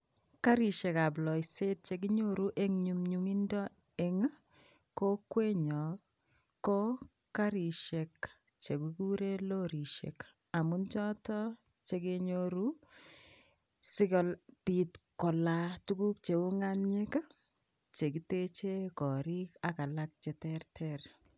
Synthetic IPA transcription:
ka˦ɾi˨ʃe˨ka˨p̬lɔ˨se˦t̚t͡ʃe˨ki˦ɲo˦ɾu˦ʔe˦ŋɲu˨mɲuŋi˦ndɔ˦ | eŋa˦ | ko˦kwe˦ɲɔ˨ | ko˦ | ka˦ɾi˨ʃe˨k | t͡ʃe˨kuku˦ɾe˦lo˦ɾi˨ʃḛk | a˨mu˦nt͡ʃɔ˦tɔ˦ | t͡ʃe˨ke˦ɲo˦ɾu˦ | sɪ˦kɔ˨lpi˨tkɔ˨la˨tu˦ɡu˦k̚t͡ʃe˨u˦ŋa˦nɲe˦ka˦ | t͡ʃe˨k̬i˦te˦t͡ʃe˦kɔ˨ɾi˦ka˨ka˨la˦k̚t͡ʃe˨tɛrtʰɛr

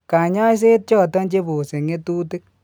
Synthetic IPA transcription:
ka˨ɲɔ˦js̬e˦t̚t͡ʃɔ˦˨tɔ˦nt͡ʃe˦bo˨se˨ŋe˦tuː˦ti˦k̚

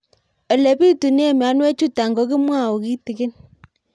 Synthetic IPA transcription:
ɔ˨le˨pi˦tu˨ni˦e˦˨mja˨˦nwe˦t͡ʃu˦ta˨ŋɡo˨˦k̬i˦mwa˦˨o˨ki˦ti˨kɪ˦n

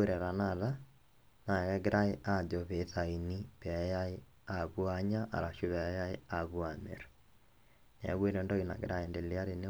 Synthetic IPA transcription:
ɾɛ˨ɾa˨na˨ða˦ | na˨ɣɛ˦ɣe˦ɾʔa˦e˦ʔa˦˨d͡ʒɔ˨βe˨˦ta˨i˨ni˦βɛ˨˦ja˦e˦ | a˨βwa˦ɲa˦ʔa̰˨ɾa˨ʃu˦βɛ˨˦ja˦e˦a˨βwa˨mḛ˨ɾo̥ | n˨a˨˦ɣwe˦ɾɔndɔ˦ina̰˨ɣḛ˦ɾa˦e˨nde˨le˦a˦ɾe˨ne˦

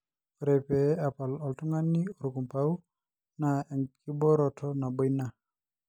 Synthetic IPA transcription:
ɾɛpɛa˨pa˨lɔ˨ltu˦ŋa˦nːi˦ɔ˨ɾu˨ku˨mpau˦ | naɛ˨ŋkʰi˦bɔ˦ɾɔtʰɔna˨bɔ˦jna˨

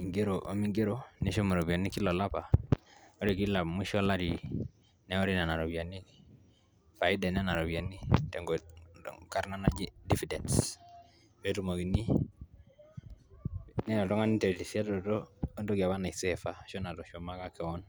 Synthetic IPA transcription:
i˨ŋɡe˦ɾo˨ʔo̰˦mi˦ŋɡe˦ɾo˦nɛ˦ʃɔ˦ma˨ɾo˨βa˨ni˦ki˦lɔ˨la˦pa˨ | ɔ˦ɾi˨ki˦la˨mu˦ʃɔ˦la˦ɾi˨ | nɛ˦ɔ˦ɾi˦na˨na˨ɾɔ˨βi˨a˨ni˦ | fa˨i˦dɛ˨nɛ˦na˨ɾɔ˨βi˨a˨ni˦tɛ˨ŋɡɔ̰ | ka˦ɾna˦na˦d͡ʒi˦difidɛ˨nts | ɛ˦tumo˨ki˨ni˦ | nɛ˦nɔ˨tɔ˦ŋa˦ni˦tɛ˨tisa˦tɔ˨tɔː˦ndo˦ɡi˨a˨βa˦na˨i˨sɛfa˨ʃɔ˦na˨tɔ˨ʃɔ˨ma˦ka˦kɛ˨wɔ˦n

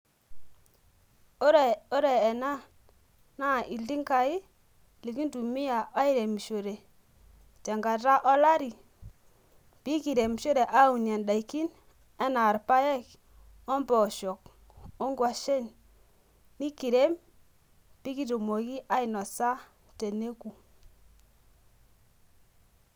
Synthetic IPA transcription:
ɾo˦ɾe˨ɛ˨na˦ | na˦˨ʔi˨ldi˦ŋka˨i˦ | li˨ki˦ndu˨mi˦ja˨ʔa˦i˦ɾe˨m˨ʃo˨ɾe˨ | tɛ˨ŋɡa˨ɾa˦ʔɔ˦la˦ɾi˨ | pi˦ki˨ɾe˨m˨ʃo˦ɾe˨ʔa˦u˨na˨nɗa˨i˨ki˦n | ɛ˦na˨ɾpa˦jɛ˦k | ɔ˦mbɔ˨ʃɔ˨k̚ | ɔ˦ŋɡwa˨ʃe˦nː | i˦ki˨ɾe˦m | pi˦ki˦to˨mo˨ki˦ʔa˦ɪ˨nɔ˨sa˦ | te˨ne˦ku˨

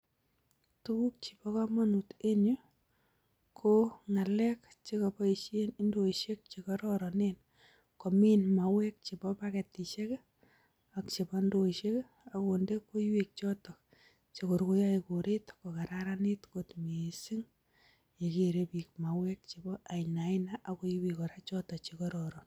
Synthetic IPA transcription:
tuku˦k̚t͡ʃi̥˨pɔ˦ka˦ma˦nu˨te˦nʊ˦ | kʰoŋa˨lɛk | t͡ʃe˦kɔpɔ˦i˨ʃenindoiʃek̚t͡ʃe˨kɔɾɔɾɔnen | ko˨mi˦nma˨wɛ˦k̚t͡ʃi˨bɔpake˨tiʃe˦k | akt͡ʃi˨bɔndoiʃe˦k | akonde˦ko˦jwik̚t͡ʃɔ˦tɔ˨ | t͡ʃe˨ko˨ɾku˦jaiko˨ɾetko˨ka˨ɾaɾanitkotmesi˦ŋ | je˨keɾepi˨kmawɛk̚t͡ʃibɔ˦ʔa˨ina˨inaʔa˨ko˦jwikɔ˨ɾat͡ʃɔ˦tɔt͡ʃi˨kɔɾɔɾɔ˨n

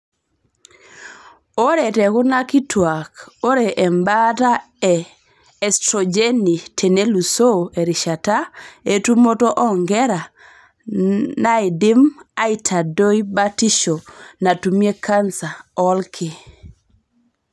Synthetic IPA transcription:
o˦ɾe˨tɛ˨kʊ˦na˦ki˦tʰwa˨ko˦ɾe˨ʔɛ˨mbata˦ | ɛ | ɛ˨stɾɔ˨d͡ʒe˦ni˨tʰe˨ne˦lu˨so˦e˨ɾi˨ʃa˨ta˦e˦tu˦mo˦to˦ʔɔ˦ŋɡɛ˦ɾa˨ | na˦ɪ˨dɪ˦ma˦i˦tʰa˨do˦i˦ba˦ti˦ʃo˨na˨tu˨mje˦kʰa˦nsa˨ɔ˦lkʰɪ˨

